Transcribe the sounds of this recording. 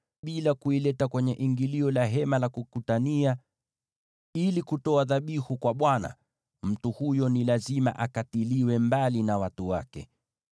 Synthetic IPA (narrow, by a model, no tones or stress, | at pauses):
ɓilakuilɛtakwɛɲɛʔiŋɡiliɔlaɦɛmalakukutania | ilikutɔaðaɓihukwaɓwana̰ | m̩tuhujɔnilazima̰ʔakatiliwɛmbalinawatuwakɛ̰